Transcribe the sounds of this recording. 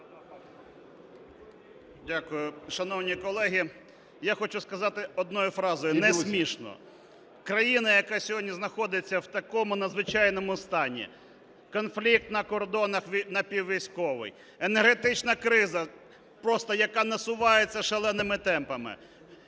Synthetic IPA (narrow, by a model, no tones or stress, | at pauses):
dʲakʊjʊʃɐnɔwnʲikɔlˠɛɦʲi | jaxɔt͡ʃʊskɐzɑt̪ɪɔd̪̚nɔjʊfɾɑzɔjʊnɛsʲmʲiʃnɔ̰ | kɾɐjinɐjɐkɑsʲɔɦɔdʲnʲiznɐxɔd̪ɪt͡sʲːɐwt̪ɐkɔmʊnɐzʋɪt͡ʃɑjnɔmʊst̪ɑnʲḭ | kɔnflʲik̚t̪nɐkɔrd̪ɔnɐxʲnɐpʲiwʋʲijsʲkɔʋɪ̰j | enerɦet̪ɪt͡ʃnɐkɾɪzɐ | pɾɔst̪ɔjɐkɑnɐsʊʋɑjet͡sʲːɐʃelˠɛnɪmɪt̪ɛmpɐmɪ̰